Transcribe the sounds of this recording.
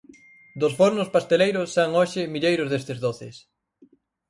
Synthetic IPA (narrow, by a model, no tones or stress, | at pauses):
d̪ʊsfoɾnʊspast̪elejɾʊsːaŋoʃɪmiʎejɾʊzðest̪ɪzðoθɪs